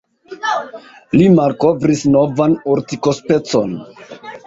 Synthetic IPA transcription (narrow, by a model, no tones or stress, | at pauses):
limaɾkovɾisno̞vanoɾtikospe̞t͡so̞n